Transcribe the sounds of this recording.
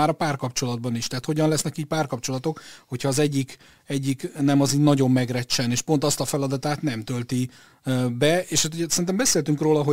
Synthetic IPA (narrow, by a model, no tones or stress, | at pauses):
aːɾɒpaːrkɒpt͡ʃo̞lɒd̪̚bɒniʃt̪ɛɦːt̪ho̞ɟɒnlɛsnɛkiːc̚paːrkɒpt͡ʃo̞lɒt̪o̞kho̞chɒːzɛɟːik | ɛɟːiknɛmɒziːnɒɟo̞mːɛɡrɛt͡ʃːɛneːʃpo̞nt̪ɒst̪ɒfɛlɒd̪ɒt̪aːt̪nɛmt̪ølt̪i | bɛeːʃat̪oɛsɛrint̪ɛmbɛseːlt̪yŋkroːlɒɦo